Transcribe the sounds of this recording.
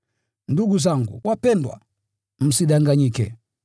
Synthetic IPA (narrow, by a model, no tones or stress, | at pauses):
nduɡuzaŋɡṵwapɛndwa̰ | m̩siɗaŋɡaɲikɛ̰